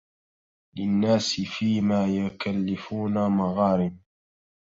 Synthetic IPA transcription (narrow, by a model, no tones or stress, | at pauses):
lɪnːaːsɪfiːmaːjʊkalːɪfuːnamaɣɑːɾɪn